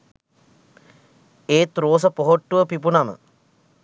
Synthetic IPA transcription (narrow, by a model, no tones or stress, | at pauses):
eːt̪ɾoːs̬əpoɦoʈːuʋəpipunamə̰